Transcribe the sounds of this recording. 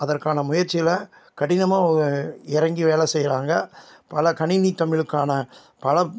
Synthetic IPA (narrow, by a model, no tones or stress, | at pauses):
ɐðɐrkaːnɐmʊjɐɾt͡ʃːɪjlɐ | kɐɽɪnɐmaːɔɾɯɪɾɐŋɡiʋeːlɐsɛjːɾaːŋɡɐpɐlɐkɐɳɪnit̪ɐmɪɭɯkːaːnɐ | pɐlɐ